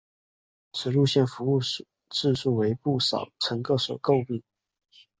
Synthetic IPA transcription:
ʂʰɻ̩˨˩lu˥˧ɕjɛ˥˩nfu˧˥u˥˧ | ʈ͡ʂɻ̩˥˧ʂu˥˩we˧˥ɪpu˥˩ʂɑ̰˨˩ʊʈ͡ʂʰə˧˥ŋkɤ˥˩swɔ̰˨˩ko˥˧ʊpi˥˩

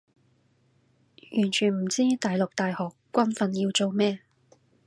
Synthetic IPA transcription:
jyː˨˩nt͡ʃʰyː˨˩nm̩˨˩t͡siː˥t̪aː˨jlʊ˨k̚t̪aː˨jhɔː˨kːʷɐ˥nfɐ˧nji˧wt͡so˨wmɛː˥

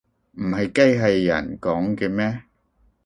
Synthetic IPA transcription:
m̩˨˩hɐ˨jkɐ˥jɦɐ˨jːɐ̰˨˩nkɔː˨˥ŋkɛː˧mɛː˥

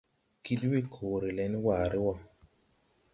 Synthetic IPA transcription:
ki˦dwi˦˨kʰoː˨ɾi˨lɛ˨˦n˦waː˨ɾɪ˦wɔ˦˨

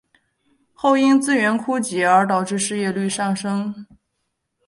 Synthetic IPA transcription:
xo˥˩ʊi˥ŋt͡sɹ̩˥˧ɥɛ˧˥nkʰu˥t͡ɕi˧˥ə˞˧˥t̪ɑ˨˩ʊʈ͡ʂɻ̩˥˧ʂɻ̩˥˧jɛ˥˧ly˥˧ʂɑ˥˩ŋʂɤ˥ŋ

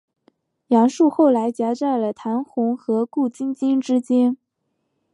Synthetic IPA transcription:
jɑ˧˥ŋʂu˥˧xo˥˩ʊla˧˥ɪt͡ɕja˧˥t͡sa˥˩ɪlə˩t̪ʰa˧˥nxʊ˧˥ŋxɤ˧˥ku˥˩t͡ɕi˥nt͡ɕi˥nʈ͡ʂɻ̩˥t͡ɕjɛ˥n

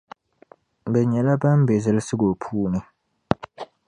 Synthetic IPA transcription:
bɛ˨ɲɛ˨la˦ba˦m˦bɛ˨zɨ˦lsɨ˦ɡo˨pʰuː˦nɨ˨

